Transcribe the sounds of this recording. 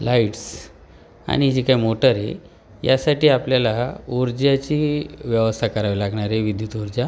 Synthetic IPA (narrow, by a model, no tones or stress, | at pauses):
laiʈs | a̰ɽ̃id͡ʑikajmoʈəɾḛ | jasaʈiːapljalauɾd͡ʑjat͡ɕiʋjəʋəst̪ʰakəɾaʋilaɡɳ̃aɾeʋid̪ʱjut̪uɾd͡ʑja